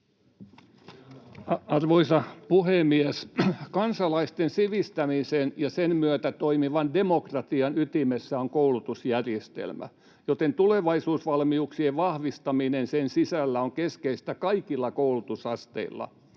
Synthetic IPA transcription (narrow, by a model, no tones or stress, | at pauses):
ɑrʋoisɑpuhemieskɑnsɑlɑist̪ensiʋist̪æmisenjɑsenmyøt̪æt̪oimiʋɑndemokrɑt̪iɑnyt̪imesːæoŋkoulut̪usjærjest̪ḛlmæ̰ | jot̪ent̪uleʋɑisuːsʋɑlmiuksieʋʋɑhʋist̪ɑminensensisælːæoŋkeskeist̪ækɑikilːɑkoulut̪usɑst̪ḛilːɑ̰